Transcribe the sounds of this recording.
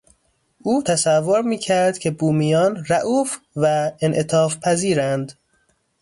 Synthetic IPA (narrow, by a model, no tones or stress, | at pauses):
ʔuːt̪ʰæsævːoɾmiːcʰæɾd̪̥cʰe̞buːmijɒːnræʔuːf | væenʔet̪ʰɒːfpʰæziːɾænd̪